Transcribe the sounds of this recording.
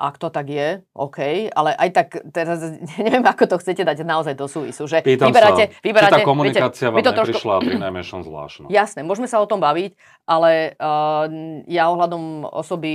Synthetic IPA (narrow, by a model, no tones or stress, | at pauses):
ʔa̰kt̪ɔt̪aɡjɛʔɔkʰɛja̰lɛʔajt̪akt̪ɛɾazɲɛɲɛʋɪɛmakɔt̪ɔxt͡sɛcɛd̪aɟnaɔzajd̪ɔsuːʋḭsuʒɛpiːt̪aibɛɾaɛʋibɛɾaːaɛkɔmunɛɛɛaːt͡siaʋamimt̪ɔtɛɾɔɾikʃlainajmɛʃɔmzʋla̰ːʃnɔ̰jasnɛmʊɔʒmɛsaɔt̪ɔmbaʋic | ʔalɛ | jaɔɦlad̪ɔmɔ̰sɔbi